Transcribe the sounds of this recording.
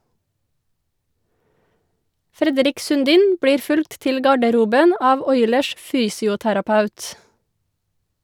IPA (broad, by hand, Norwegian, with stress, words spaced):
ˈfɾɛdɾɪk sʉnˈdiːn ˈbɽiːɾ ˈfʉlkt ˈtɪl ˈɡɑɖəɾuːbən ˈɑːʋ ˈɔʏləʃ ˈfyːsɪʊtæɾɑˌpɑʉt